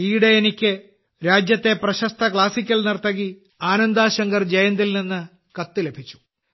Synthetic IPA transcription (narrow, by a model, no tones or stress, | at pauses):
iːɽeenikʲːɨ | ɾaːd͡ʑjɐt̪ːe̞prɐɕɐst̪ʰɐkɭaːsikʲːɐlnirt̪ɐɣi | aːnɐnd̪aːɕɐŋɡɐrd͡ʑɐjɐnd̪ilninːɨ | kɐt̪ːɨle̞bʱit͡ɕːu̥